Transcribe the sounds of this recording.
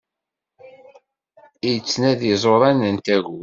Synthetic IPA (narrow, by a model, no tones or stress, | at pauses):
ijt͡sːnæðizˤoɾˤænənt̪æʝu